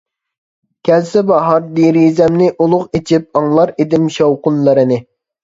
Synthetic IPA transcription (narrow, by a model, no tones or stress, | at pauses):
kʲʰɛlsɪbɑɦɑɾd̪iɾizɛmnɪʔulˠʊqet͡ʃʰip̚ɑŋlˠɑɾed̪ɪmʃɑwqʊnlˠɨɾɨnɪ